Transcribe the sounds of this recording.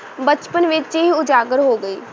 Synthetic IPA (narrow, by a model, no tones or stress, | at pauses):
bət͡ʃpənʋɪt͡ʃɦiʊd͡ʒaːɡəɾɦoːɡəiː